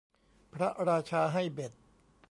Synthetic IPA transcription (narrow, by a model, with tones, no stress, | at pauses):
pʰɾa˦˥ɾaː˧t͡ɕʰaː˧ɦa˥˩jbe˨˩t̪̚